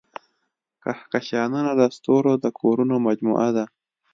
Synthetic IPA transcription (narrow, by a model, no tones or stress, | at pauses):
kahkaʃɑːnunad̪ast̪oɾod̪əkoɾunomad͡ʒmṵʔad̪a